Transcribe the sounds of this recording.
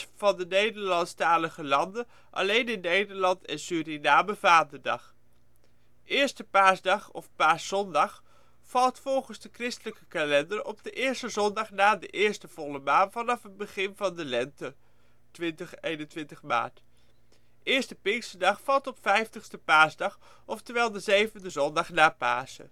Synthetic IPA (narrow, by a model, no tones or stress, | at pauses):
vɑndənejdəɹlɑntstaːləχəlɑndə | ʔɑ̰lejnɪnːejdəɹlɑntɛnsyːɾinaːməvaːndədɑ̰χ | ɪːɹstəpaːɹsdɑχɔfpaːɹsɔndɑχ | fɑlˠtfɔlˠχənzdəkrɪstələkəkalɛndərɔp̚dəʔɪːɹstəzɔndɑχnaːdəʔɪːɹstəv̥ɔləmaːnvɑnɑfəd̚bəχɪnvɑndəlɛntə | tʋɪntəχejnəntʋɪntəχma̰ːɹt | ɪːɹstəpɪŋksədɑχfɑlˠtɔpfɛjftəχstəpaːɹzdɑχ | ɔftəʋɛːlˠdəzejvəndəzɔndɑχnaːpa̰ːzə̰